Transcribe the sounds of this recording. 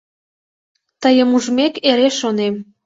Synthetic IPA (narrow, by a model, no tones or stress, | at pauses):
t̪əjəmuʒmekeɾeʃonem